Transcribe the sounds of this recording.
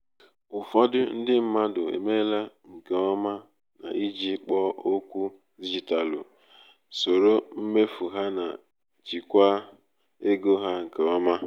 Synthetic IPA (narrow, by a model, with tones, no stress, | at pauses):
ʊ˨fɔ˦dʊ˦n̩˦dɪ˦m̩˦ma˦dʊ˨ḛ˨me˦la˦ | ŋ̩˨ke˨ɔ˦ma˦ | na̰˨i˦d͡ʒi˦k͡pɔ˦o˦kʷu˦ | di˦d͡ʒi˨ta˨lʊ̰˨ | so˨ɾo˦m̩˦me˦fu˨ɦa˦na̰˨ | d͡ʒi˨kʷa˦ | e˦ɡo˦ɦa˦ŋ̩˨ke˨ɔ˦ma˦